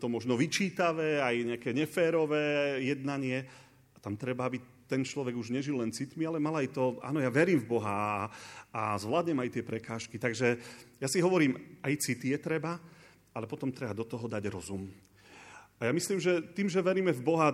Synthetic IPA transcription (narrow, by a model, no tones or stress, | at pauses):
t̪ɔmɔʒnɔʋit͡ʃiːt̪aʋɛːajɲɛakɛɲɛfɛːɾɔʋɛːjɛd̪naɲɪɛ | at̪amt̪ɾɛbaabi | t̪ɛnt͡ʃlɔʋɛɡuʒɲɛʒilːɛnt͡sit̪mialɛmalajt̪ɔʔa̰ːnɔjaʋɛɾiːmvbɔɦa | azʋlaːd̪ɲɛmajt̪ɪɛpɾɛkaːʃkit̪aɡʒɛjasiɦɔʋɔɾiːmajt͡sit̪ijɛt̪ɾɛba | alɛpɔt̪ɔmt̪ɾɛbad̪ɔt̪ɔɦɔd̪aɟɾɔzum | ajamisliːmʒɛt̪iːmʒɛʋɛɾiːmɛvbɔɦa